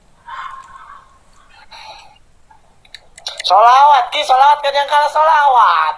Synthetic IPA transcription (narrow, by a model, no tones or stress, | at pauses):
solawat̪̚kisolawat̪̚kanjaŋkalasolawat̪̚